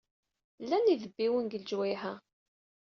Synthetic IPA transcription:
lːæniðəbːiwənɡəld͡ʒwæjhæ

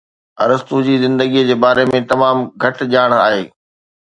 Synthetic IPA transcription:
ɐ̰ɾəst̪ud͡ʑiːzɪ̃nd̪əɡiəd͡ʑeːbaːɾemẽt̪ɐmaːmɡʱɐʈd͡ʑaːɽ̃a̰ːɦeː

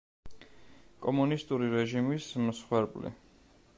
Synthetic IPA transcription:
kʼɔmunist̪ʼuɾiɾɛʒimismsχwɛɾblḭ

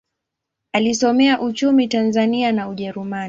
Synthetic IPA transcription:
alisɔmɛaʔut͡ʃumitanzanianauʄɛɾuma

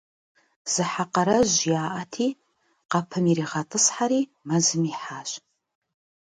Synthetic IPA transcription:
z̥ɨħaqɐɾɐʑjaːʔɐtʰiː | qɐpʰɨmiɾiːʁɐtʼɨsħaɾiː | mɐzɨmiːħaːɕ

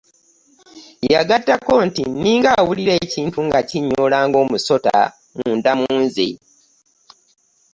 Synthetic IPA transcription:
jaɡatːako̞ntiniːŋɡawuliɾe̞ːciːntuŋɡaciɲːoːlaːŋɡo̞ːmuso̞ta̰ | muːndamuuːnzḭ

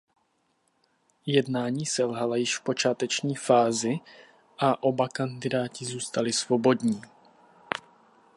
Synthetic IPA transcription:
jɛdnaːɲiːsɛlɦalajɪʃfpo̞t͡ʃaːt̪ɛt͡ʃɲiːfaːzɪ | ʔaʔo̞bakandɪdaːcɪzuːst̪alɪsvo̞bo̞dɲiː

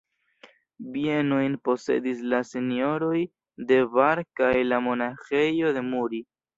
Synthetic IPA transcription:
bienojnpo̞se̞̰dis̬lasenio̞ɾo̞j | de̞vaɾkajlamo̞naxe̞jo̞de̞muɾi

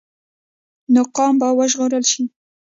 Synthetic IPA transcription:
nʊqɑmbawəʒɣoɾəlʃi

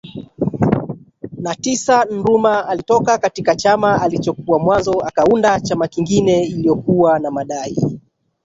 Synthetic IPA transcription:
natisan̩ɾumaalitɔkakatikat͡ʃamaalit͡ʃɔkuamwanzɔakaundat͡ʃamakiŋɡinɛilijɔkuwanamaɗaḭ

